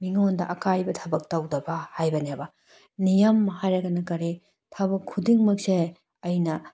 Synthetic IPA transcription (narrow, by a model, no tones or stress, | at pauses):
miŋondɐʔɐkajbɐtʰɐbɐk̚tɐwdɐbɐhajbɐniabɐ | nijɐmːɐɦajɾɐɡɐnɐkɐɾi | tʰɐbɐkʰːudiŋmɐk̚se | ɐjnɐ